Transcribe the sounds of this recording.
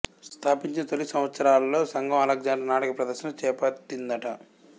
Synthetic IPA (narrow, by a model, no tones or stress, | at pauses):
st̪ʰaːpiɲt͡ʃinɐt̪olːisɐmʋɐt̪sɐɾaːlɐlo̞ːsɐŋɡɐmɐlɐɡ̚d͡ʒaːnʈɐnaːʈɐkɐpɾɐd̪ɐɾʃɐnɐt͡ʃɛːpɐʈːind̪ɐʈɐ